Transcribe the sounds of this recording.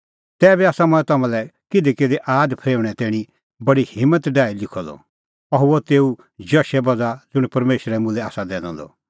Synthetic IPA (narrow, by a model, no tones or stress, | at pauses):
t̪ɛːbiaːsamɐ̃ɛ̃t̪ɐmãːlɛkɪd̪eked̪eʔaːdpʰeːʋɽ̃ɛt̪ɛːɽ̃i | bɐɽihɪmːət̪ɖaːilɪkʰɔlɔ̰ | ɐɦuot̪eːu | d͡ʒɐʃɛbɐd͡zad͡zʊɽ̃pɐɾmeːʃɾɛmʊ̃lɛaːsad̪ɛːnɔ̰̃ːd̪ɔ̰